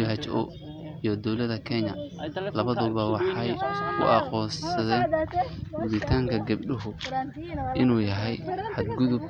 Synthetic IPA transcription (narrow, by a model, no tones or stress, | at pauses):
ɦɐt͡ʃɔ̰ | ijɔd̪ɔwlɐðɐkʰɛɲɐlɐβɐðʊβɐwɑħɑjkʰʊ̰ʔɑqɔːsɐðɛj | wʊðɪt̪ʰaːŋkʰɐɡɐbɖʊɦʊ | ʔɪnuːjɐɦɛjħɑd̪ɡʊðʊb̚